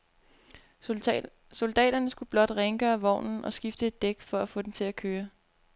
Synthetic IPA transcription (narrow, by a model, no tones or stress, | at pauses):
so̝ld̥ɛ̰ːd̥ɐnəsɡ̥ub̥lɒ̽d̥ʁeŋɡ̥əæʋɒ̰ʊ̰nn̩ʔɒ̽sɡ̥ifd̥əe̝d̥ːeɡ̥fɒ̽æfɔ̽ːd̥emt͡sʰe̝lækʰøːɐ